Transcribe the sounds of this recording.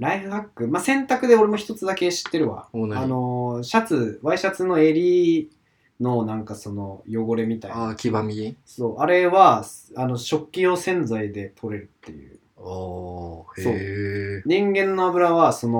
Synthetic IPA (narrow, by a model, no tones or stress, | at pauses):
ɾaiɸɯ̟hakːɯ̟masẽ̞nt̪akɯ̟d̪e̞o̞ɾe̞mo̞çit̪o̞t͡sɨd̪ake̞ɕi̥t̪ːe̞ɾɯ̟βa̰ano̞ɕat͡sɨβaiɕat͡sɨno̞e̞ɾʲi | no̞nãŋkaso̞no̞jo̞ɡo̞ɾe̞mʲit̪aiakʲibamʲiso̞ːʔaɾe̞βaano̞ɕo̞kʲːijo̞ːsẽ̞nd͡zaid̪e̞t̪ʰo̞ɾe̞ɾɯ̟t̪ːe̞̰jɯ̟̰ː | so̞ːɲ̟ĩŋɡẽ̞nːo̞abɯ̟ɾaβaso̞no